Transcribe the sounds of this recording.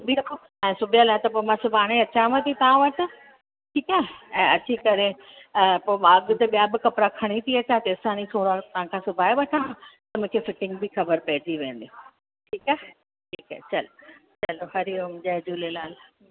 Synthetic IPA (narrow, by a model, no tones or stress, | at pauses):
ʊbʱio | ɛ̃ːsʊbʱijalaːɦt̪ɐpoːɪmãsʊbʱaːɽ̃eɐt͡ɕãʋət̪ʰit̪ɐʋãʋɐʈɪ̆ | ʈʰiːkaːɛ̃ːɐt͡ɕikɐɾe | poːmãɐɡt̪eɓijabɪkɐpɾakʰɐɽ̃it̪ʰiɐt͡ɕʰat̪eɪsaːnit̪ʰoːɾat̪ɐʋ̤ãkʰãsʊbʱaːeʋɐʈʰãt̪ɐmʊ̃ːkʰefɪʈɪ̃ŋɡ̚bʱixʰɐbəɾpɐɦɪd͡ʑiʋẽːn̆d̪ij | ʈʰiːkaːɦe | ʈʰiːkat͡ɕɐlot͡ɕɐloɦɐɾiomʊ̃d͡ʑaːd͡ʑuːlelaːl